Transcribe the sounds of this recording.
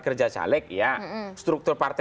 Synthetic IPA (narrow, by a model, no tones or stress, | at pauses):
kərd͡ʒasa̰lɪk̚jast̪ɾuk̚t̪ʊrpart̪